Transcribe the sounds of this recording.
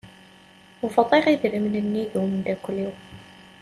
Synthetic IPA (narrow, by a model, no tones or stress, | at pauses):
ufɑt̪ˤiʁiðɾəmnənːiðumnd̪ækʷːliw